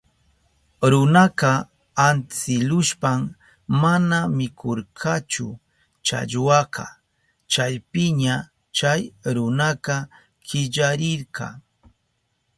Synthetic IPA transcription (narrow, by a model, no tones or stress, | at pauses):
ɾʊnɑqɑ | ant͡sɪlʊʃpam | manamɪkʰoɾqʰɑt͡ʃʊ̰ | t͡ʃa̰ʎwɑqɑ | t͡ʃajpɪɲa | t͡ʃajɾʊnaqɑ | kɪʎaɾɪɾqɑ̰